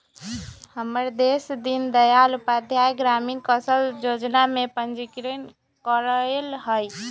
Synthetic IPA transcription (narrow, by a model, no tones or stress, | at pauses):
həməɾd̪esd̪ind̪əjalupad̪ʱjajɡɾaminkəsəld͡ʒod͡ʒnamepənd͡ʒikɾən | kəɾəlɦəj